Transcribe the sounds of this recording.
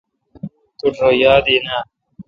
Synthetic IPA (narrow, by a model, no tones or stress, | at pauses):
t̪uʈʰoːjaːd̪ina